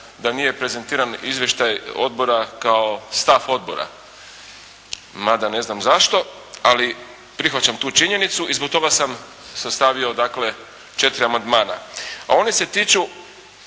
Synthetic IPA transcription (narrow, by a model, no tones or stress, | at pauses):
d̪anije̞pɾe̞ze̞nt̪iːɾanizʋje̞ʃt̪ajo̞̰d̪̚bo̞ɾakaost̪afo̞d̪̚bo̞̰ɾa̰ | mad̪ane̞znamzaʃt̪o̞ | ali | pɾixʋat͡ɕamt̪uːt͡ʃiɲe̞nit̪suizbo̞k̚t̪o̞ɡasam | sast̪aʋio̞d̪akle̞ | t͡ʃe̞t̪iɾiamand̪maːna̰a̰o̞nise̞t̪iːt͡ʃu